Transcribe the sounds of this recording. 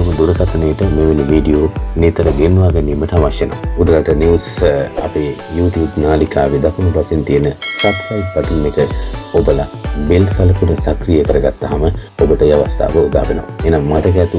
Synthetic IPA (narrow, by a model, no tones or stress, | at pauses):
ɐməd̪uɾɐkat̪ɐnejəʈəmeʋenːiʋiːɖijoːnet̪ɐɾəɡenʋaːɡaniːməʈəaʋasjənəʋaud̪ɐlaʈəniʋsɐ̰pe | juːʈijuːbnaːlikʰaːʋed̪akunupasent̪ijənəsat̪kajpːaʈunmekəobəlabelsalɐkunəsakrijəkəɾəɡat̪ːaɦamə | obəʈəjaʋast̪ʰa̰ːʋəud̪a̰ːbenɐ̰ʋa̰enaŋmat̪əkæt̪u